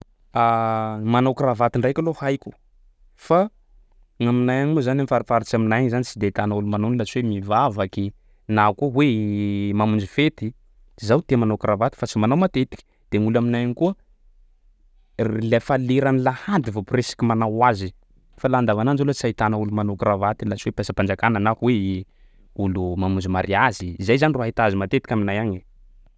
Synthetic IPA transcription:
amanawkravat̪iɳɖ͡ʐajkʲalohajkʲu̥ | fa | ŋaminajaɲuzanamifaɾafaɾit͡ʃaminajaɲzanit͡ʃid̪eit̪anaulumanonilat͡siwemivavaki | nakuəwemamund͡ʒifet̪i | zawt̪emanawkɾavat̪i̥fat͡simanawmat̪et̪i̥kʲi̥ | d̪̥eŋulaminajanikuə | rilafaleɾanilahand̪ivopresḁkʲimanawazi | faland̪avanand͡ʒalot͡sait̪anaulumanokravat̪ilat͡ʃiwepasapand͡ʒakanənakuwe | ulumamund͡ʒimaɾiaziːzajzaniroaɦit̪azimat̪et̪i̥kʲaminajaɲi

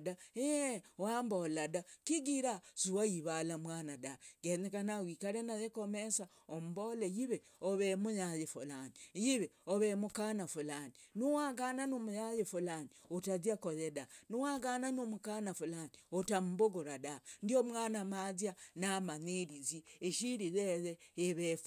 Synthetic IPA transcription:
daewaːmboladakiɡiɾaz̥uwaiβalamwaːnadaɡenekanawikaɾenajekomesa | omubolejiβe | oβemujajefulanijiβeoβemukanafulaninuwaɡananomujajefulaniotaziakoðedanuwaɡananomukanafulaniotamuboɡuɾadandiomwaːnamazjanamaneɾizieʃiɾizezeeβef

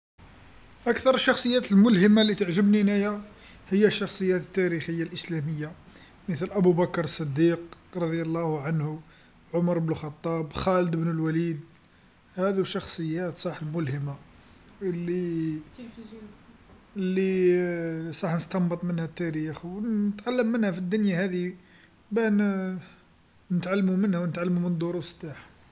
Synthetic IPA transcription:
ʔækt̪ɑɾˤəʃːɑxsˤəjːæt̪əlmʊlhəmalːit̪əʕʒəbninæjæ | həjːæʃːɑxsˤəjːæt̪ət̪ːæɾixəjːalʔəslæməjːa | mət̪lʔæbubækɾˤəsˤːɑd̪ːiqɾˤɑd̪ˤjɑlˤːɑhʕanhu | ʕʊmɑɾˤbnuxɑt̪ˤːɑbxæləd̪əbnəlwælid̪ | hæd̪uʃɑxsˤəjːæt̪sˤɑħəlmʊlhəma | lːi | lːi | sˤɑħnəst̪ɑmbət̪ˤmənhæt̪ːæɾixwnət̪ʕalːəmːənhæfid̪ːʊnjahæd̪i | bæn | nət̪ʕalːmumənhæwnət̪ʕalːmumənd̪ʊɾust̪ːaħ

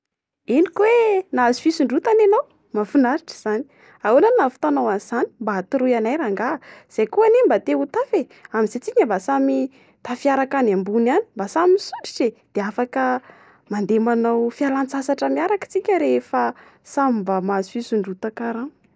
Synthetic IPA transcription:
inikwenazifisuɳɖ͡ʐut̪ananaw | mafunaɾiʈ͡ʂə̥z̥ani̥ | aunannafu̥t̪anawanz̥ani̥mbaat̪uɾujanajɾaŋɡaəz̥ajkuanembat̪eut̪afe | amizet͡siɲəmbasami | t̪afiaɾakanambuniani̥mbasamisuɳɖ͡ʐi̥sed̪̥eafakə | mand̪emanawfialant͡sasaʈ͡ʂəmiaɾakə̥t͡sikʲəɾefə | samimbamazfisuɳɖ͡ʐut̪akaɾaŋ

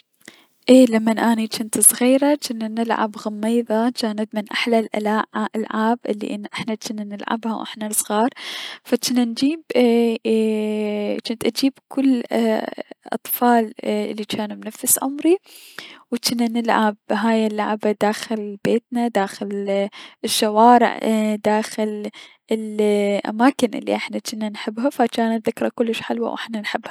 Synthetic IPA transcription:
ʔeːlamːanʔaːnat͡ʃɪnt̪sˤɣiːɾat͡ʃɪnːanɪlʕa̰bɣamːeːðˤɑt͡ʃaːnad̪mɪnʔaħlalʔa̰laːʔʔalʕaːbʔɪlːḭʔɪnːʔɪħnat͡ʃɪnːanɪlʕa̰bha̰wʔɪ̰ħnasˤɣɑːɾˤfat͡ʃɪnːand͡ʒiːb | t͡ʃɪnt̪ʔad͡ʒiːbkʊlː | ʔɑ̰t̪ˤfɑːlɪ̰lːit͡ʃaːnmnafːɪsʕʊ̰mɾi | wt͡ʃɪnːanɪlʕabɦaːjɪlːaʕabad̪aːxɪlbeːt̪nad̪aːxɪlɪʃːawaːɾɪ̰ʕd̪aːxɪl | ɪlʔa̰maːkɪnʔɪ̰lːḭʔɪħnat͡ʃɪnːanħɪbːhafat͡ʃaːnaðɪkɾˤakʊlːɪʃħɪlwa̰wʔɪħnanħɪbha

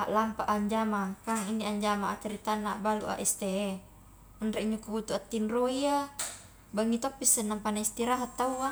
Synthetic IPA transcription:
aʔlampaʔaɲd͡ʒamakaŋindiaɲd͡ʒamaat̪əɾit̪anːabalṵʔa̰ʔɛst̪ee | ənɾeiɲukuut̪uat̪ːinroia | baŋit̪opːisːənːampanaist̪iɾaɦat̪ːauŋa

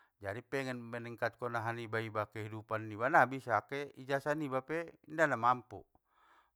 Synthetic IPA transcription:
d͡ʒadipɛŋɛnmɛnɛŋkat̪̚kɔnaɦanibaibakɛɦidupanːibanabisakɛid͡ʒasanibapɛindanamampṵ

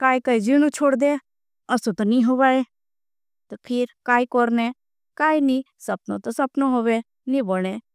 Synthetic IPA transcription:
kaːikaːid͡ʒiñũt͡ʃʰoːɽd̪e | ɐsot̪ɔnĩɦoʋaːe | t̪ɐpʰɪɾkaːikɔɾne | kaːinĩsɐpno̰t̪ɔsɐpnoɦoːʋe | nĩboɽ̃e

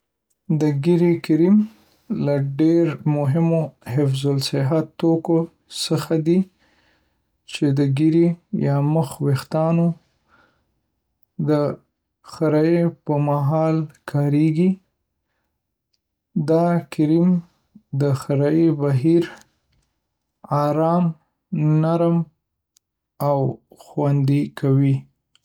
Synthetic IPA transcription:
d̪əɡiɾikɪɾim | laɖeɾmʊɦɪmohɪfzʊlsɪɦat̪ːoko | səxad̪i | t͡ʃed̪əɡiɾijɑməxwext̪ɑno | d̪ə | xaɾɑjepəmaɦɑlkʰɑɾeɡi | d̪ɑkɪɾim | d̪əxaɾɑjebaɦiɾ | ɑɾɑm | naɾm | awxwand̪ikawi

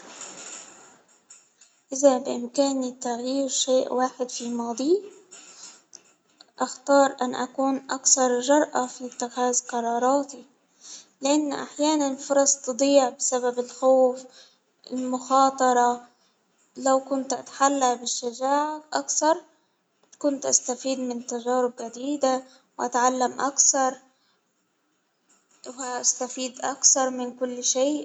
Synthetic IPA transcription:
ʔɪðabɪʔɪmkaːnit̪aɣjiːɾʃeːʔwaːħɪd̪fimɑːd̪ˤi | ʔaxt̪ɑːɾˤʔanːʔakuːnʔakθɑɾˤʒɑɾˤʔafit̪ːɪɣaːzqɑɾˤɑːɾˤɑːt̪i | lɪʔanːʔaħjaːnanfʊɾˤɑsˤt̪ɨd̪ˤiːʕbɪsababɪlxoːf | ɪ̰lmʊxɑːt̪ˤɑɾˤɑ | lawkʊnt̪ʔa̰t̪ḁħalːabɪʃːad͡ʒaːʕaʔakθɑɾˤ | kʊnt̪ʔast̪afiːd̪mɪnt̪aʒɑːɾɪb̚ɡad̪iːd̪a | wʔat̪ʕalːamʔakθɑɾˤ | wɪʔast̪afiːd̪ʔakθɑɾˤmɪnkʊlːʃeːʔ

